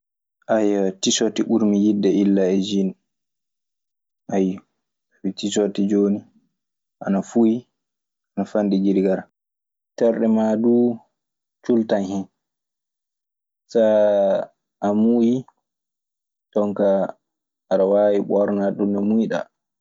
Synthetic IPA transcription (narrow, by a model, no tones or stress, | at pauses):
ʔajatisotiʔuɾmijidːɛilːaɛd͡ʒin | ʔaj | witisotid͡ʒoːni | ʔa̰nafuji | anafandiɡiɾɡaɾa | tɛɾɗɛmadu | t͡ʃultanhin | sa | ʔamuji | tɔŋkaː | ɾawaːwiɓɔɾnaɗumnɔmujɗa̰